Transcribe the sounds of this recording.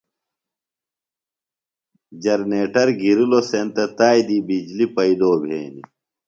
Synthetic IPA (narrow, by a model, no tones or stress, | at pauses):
d͡ʑɐɾneːʈɐɾɡiɾulosent̪ɐt̪aːjd̪ibid͡ʑlipɐid̪oːbʱeːni